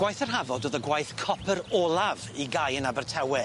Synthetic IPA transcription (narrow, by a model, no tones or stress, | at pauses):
ɡwajθərɦavɔdoːðəɡwajθkʰɔpʰəɾolˠav | iɡajənabərtʰɛwɛ